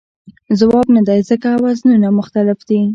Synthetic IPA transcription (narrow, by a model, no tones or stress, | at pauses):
zawɑbnad̪ajzəkawaznunamʊxt̪alɪfd̪i